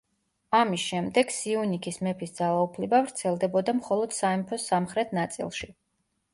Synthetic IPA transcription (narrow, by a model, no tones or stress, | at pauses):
amisʃɛmd̪ɛɡsiunikʰismɛpʰisd̪z̥alˠaupʰlibavɾt̪sʰɛlˠd̪ɛbɔd̪amχɔlˠɔd̪̥saɛmpʰɔsamχɾɛt̪ʰnat̪sʼḭlˠʃi